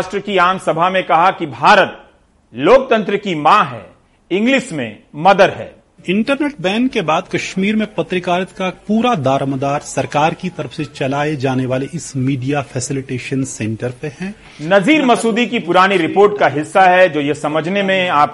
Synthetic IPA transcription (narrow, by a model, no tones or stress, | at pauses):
ʃʈɾəkiaːmsɐbʱamẽkɐɦakibʱaːɾət̪̚ | loːk̚t̪ɐ̃nt̪ɾəkimãɦɛ̰ː | ɪ̃ŋɡlɪʃmḛ̃mɐd̪əɾɦɛ̰ː | ɪ̃ɳʈəɾneːʈ̚bɛ̃ːŋkkːebaːd̪kɐʃmiːɾmẽpɐt̪ɾɪkaːɾət̪kapuːɾad̪ʱaːɾəmd̪aːɾsɐɾkaːɾkit̪ɐɾəfset͡ʃɐlaːed͡ʒaːneʋaːleʔɪsmiːɖijafʰɛːsɪlɪʈeːʃənsɛ̃ɳʈəɾpehɛ̃ː | nɐziːɾmɐsuːd̪ikipʊɾaːniɾɪpoːɾʈkaɦɪsːaɦɛd͡ʒoːjesɐməd͡ʒʱnemẽaːp̚